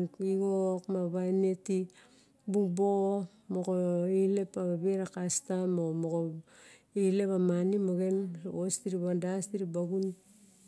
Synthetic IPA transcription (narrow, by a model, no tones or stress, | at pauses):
iɡokmaβaneti | buŋbo | mokoile̞paβaβeɾakastamomoko | ile̞pamanimoɡe̞nostiɾiβandastiɾibaɡun